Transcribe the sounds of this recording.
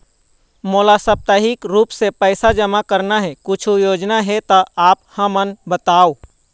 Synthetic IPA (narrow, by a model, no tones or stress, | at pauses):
moːlasəb̚t̪aːɦɪkɾuːpsepɛɪsad͡ʒəmakəɾnaɦɛkʊt͡ʃʰujoːd͡ʒnaɦɛt̪əaːp̚həmənbət̪aːo